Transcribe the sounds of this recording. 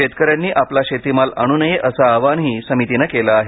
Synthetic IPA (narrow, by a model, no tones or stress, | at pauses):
et̪kəɾjanːiːʔaplaɕet̪imala̰ɽ̃uːnəjeʔəsaːʋanɦiːsəmit̪inəkelaːɦe